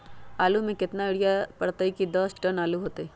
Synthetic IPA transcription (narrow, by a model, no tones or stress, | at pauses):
aːlumẽkɪt̪naɪɽijapɐɽt̪aikid̪ɐsʈənaːluɦoːt̪eɛː